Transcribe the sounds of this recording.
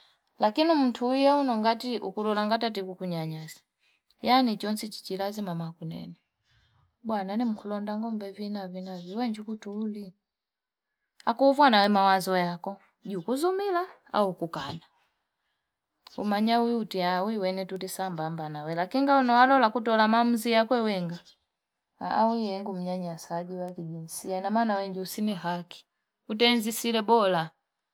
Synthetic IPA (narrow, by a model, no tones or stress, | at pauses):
lakinim̩tʰuijaunɔŋɡatiʔukulɔlaŋɡatat̬ikukuɲaɲazḁ | janit͡ʃɔnsit͡ʃi̥t͡ʃilazimamakunɛ̰nɛ | ɓwananim̩kʰulɔndaŋɡɔmbɛvinavinaviwɛɲd͡ʒukutuːli | akuːvwanawɛmawazɔjakɔ | ɟukuzumila | a̰ukukana | ṵmaɲawiutiawiwɛnɛtutisambambanawɛlakiŋɡaunɔwalɔlakutɔlamamuzijakwɛwɛŋɡa | a̰wiɛŋɡum̩ɲaɲasaɡiwakiɟinsianamanawɛŋɡiusiniɦaki̥ | ut̬ɛnzisilɛbɔla